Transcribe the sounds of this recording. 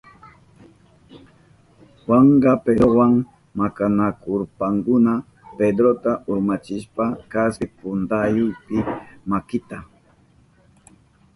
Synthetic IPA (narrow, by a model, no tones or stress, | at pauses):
waɴɢɑpeowaŋ | makanakʊɾpaŋkʊna | ped̪ɾot̪aʔʊɾmat͡ʃɪʃpakasɪpʊnt̪ajʊjpɪmakɪt̪a